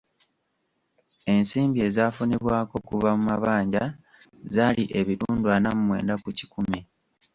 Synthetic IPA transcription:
e̞nsiːmbie̞ːzaːfuniβwaːko̞kuβamumaβaːɲɟa | zaːliʔe̞βiɾuːnduanamumwe̞ːndakuci̥kumi

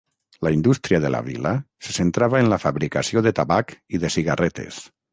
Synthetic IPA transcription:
laind̪ust̪ɾiaðela̰βḭlase̥sent̪ɾaβaenlafaβɾikasioðet̪aβakiðesiɣarɛt̪ḛs

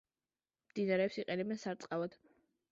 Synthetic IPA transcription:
md̪inaɾɛːpsiqʼɛnibɛnsaɾt̪sʼqʼavɔd̪̥

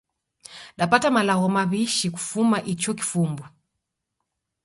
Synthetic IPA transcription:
ɗapatamalaɣɔmaβiʃiku̥fumaʔit͡ʃɔki̥fumbu

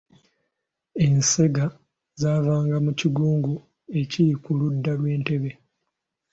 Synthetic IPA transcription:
e̞nse̞ɡa | zaːvaːŋɡamuciɡuːŋɡu | e̞ciikuludːalwe̞ːnte̞βe̞

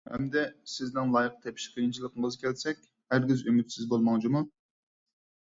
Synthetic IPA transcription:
hɛ̰md̪ɛsɪznɪŋlˠɑːjəqt̪ʰɛpʰi̥ʃqʲʰəjint͡ʃʰilˠəqnəʁəzkʲʰɛlsɛkʲ | hæɾɡʲizymyt̪sɪzbolˠmɑŋd͡ʒumu

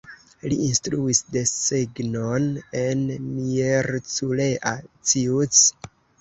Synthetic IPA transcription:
liinstɾuisde̞seɡnone̞nmieɾt͡suleʔat͡siut͡s

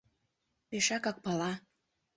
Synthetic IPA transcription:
peʃækɑk̚pɑlɑ

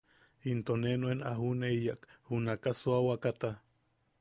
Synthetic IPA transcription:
int̪onenoenaɦuneijaʔkhunakasuawakat̪a

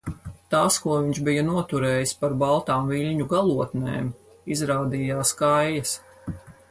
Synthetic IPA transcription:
t̪aːskuɔviɲʒbijɐnuɔt̪uɾɛːjispaɾbalˠt̪aːmviʎʲɲuɡalˠuɔt̪nɛ̰ːm | izɾaːd̪ijaːskajːɐs

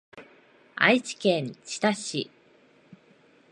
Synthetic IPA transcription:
a̰it͡ɕi̥kẽɲt͡ɕi̥t̪aɕi

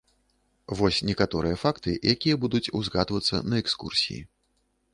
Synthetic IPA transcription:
vɔsʲnʲɛkat̪ɔɾɨjɐfakt̪ɨjakʲijɐbud̪ut͡sʲuzɣad̪vɐt̪sːɐ̰nɐɛkskṵrsʲḭjḭ

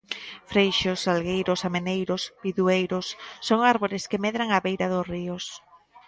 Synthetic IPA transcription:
fɾejʃʊsalɣejɾʊsamenejɾʊspiðuejɾʊsːoŋaɾβoɾɪskemɛðɾaŋaβejɾaðʊsriʊs

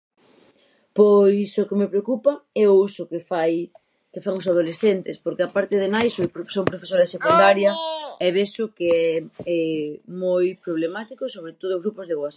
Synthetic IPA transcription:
pojsokemepɾeokupɐɛousʊkefaj | kefaŋos̬aðolesθent̪espoɾkeapaɾt̪eðenajsojsowpɾofes̬oɾɐðesekund̪aɾjɐɛβesʊkeɛɛmojpɾoβ̞lemat̪ikʊsoβɾet̪oð̞ʊːzɣɾupozðeɣwas

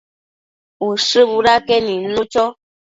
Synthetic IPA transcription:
usɨbuɾakɛninut͡ʃɔ

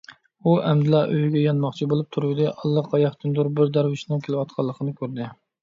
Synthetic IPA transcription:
uɛmd̪ɪlˠɑʔøjiɡʲɛjɑnmɑqt͡ʃʰibolˠup̚t̪ʰuɾɨwɪd̪ɪʔɑlˠːɑqʰɑjɑχd̪ɪnd̪oɾbɪɾd̪æɾwɪʃnɨŋkʲʰelɪwɑt̪̚qʰɑlˠːəqʰənɨkʲʰøɾd̪ɪ

